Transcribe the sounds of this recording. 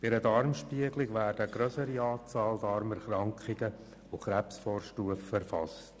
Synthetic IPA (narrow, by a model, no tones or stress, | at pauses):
b̥ɪɾədɑɾmʃpiəɡlɪɡʋæːɾd̥əəɡ̥ɾœsəɾiɑːt͡sɑːld̪ɑɾmɛɾχɾɑŋkχɪɡə | ʊχɾæpsfɔːɾʃtuəfɛɾfɑ̰st